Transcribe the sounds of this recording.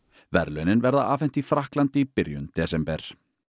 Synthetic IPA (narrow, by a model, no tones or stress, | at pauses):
vɛɾlœnɪnvɛɾðaaːfɛn̥t̪ifɾahklant̪ɪipɪɾjʏ̰nt̪ɛːsɛmpɛɾ̥